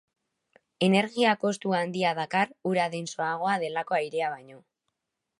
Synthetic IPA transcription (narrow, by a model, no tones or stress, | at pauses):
e̞ne̞ɾɣiako̞st̪uand̪iaðakaruɾaðenso̞aɣ̞o̞að̞e̞lako̞ajɾeaβ̞ajɲo̞